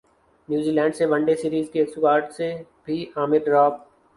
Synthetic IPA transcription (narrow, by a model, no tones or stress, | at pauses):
njuːziːlɛ̃ːɳɖseʋə̃ɳɖesiːɾiːzkiɐksuɡaːɾʈse | bʱiaːmɪɾɾɔːb̚